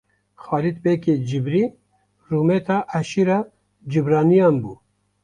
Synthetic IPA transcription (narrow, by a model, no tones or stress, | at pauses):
xɑːlit̪̚beːked͡ʒibɾiː | ruːmet̪ʰɑːʔæʃiɾɑː | d͡ʒibɾɑːnijɑːnbuː